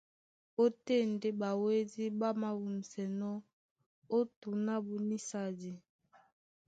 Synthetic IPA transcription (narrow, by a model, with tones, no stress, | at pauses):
o˦te˦˨nde˦ba˨we˦di˦ba˦ma˨wu˨m̩˨sɛ˨nɔ˦ | o˦tu˨na˦bu˨ni˦sa˨di˨